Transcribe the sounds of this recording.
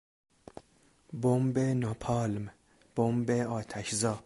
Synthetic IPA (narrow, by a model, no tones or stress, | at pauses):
bombenɒːpʰɒːlm | b̥ombeɒːt̪ʰæʃzɒː